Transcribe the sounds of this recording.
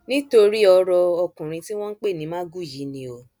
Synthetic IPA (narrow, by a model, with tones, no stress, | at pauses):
nĩ˦to˧ɾi˦ɔ˧ɾɔ˧ɔ˧kũ˨ɾ̃ĩ˧ti˦w̃ɔ̃˦n̩˦k͡pe˦˨nĩ˨˦mã˦ɡu˦˨ji˨˦nĩ˧˦o˨